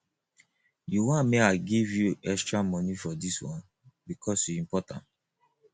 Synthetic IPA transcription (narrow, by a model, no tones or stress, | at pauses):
juwãmeaɪɡivjuɛkstɹamɔnifɔdiswɔ̰̃n | bikʰɔsjiĩmpɔtã̰nt